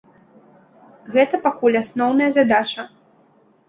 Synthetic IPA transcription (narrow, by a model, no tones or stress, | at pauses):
ɣɛt̪ɐpakulʲasnɔwnɐjɐzad̪at͡ʂɐ